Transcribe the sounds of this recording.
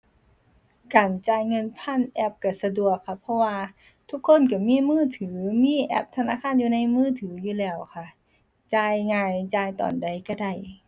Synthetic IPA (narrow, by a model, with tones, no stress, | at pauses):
kaː˨˩nt͡ɕaː˧jŋɤ˧˥˨npʰa˧˥˨nʔɛ˧˩p̚ka˧˩sa˧du˧˩əkʰːa˧˩pʰːɔ˧˥waː˧ | t̪ʰu˧˥kʰːo˧˥˨nk̬a˧˩miː˧˥˨mɯː˧˥˩t̪ʰɯː˩˦miː˧˥˨ʔɛ̰˧˩p̚t̪ʰa˧naː˧˥˨kʰaː˧˥˨njuː˧˨na˧˥˨jmɯː˧˥˨t̪ʰɯː˩˦juː˧˩lɛː˧˩wkʰa˧˩ | t͡ɕaː˧jŋaː˧jt͡ɕaː˧jt̪ɔ̰ː˨˩nda˧˩jka˧˩da˧˩j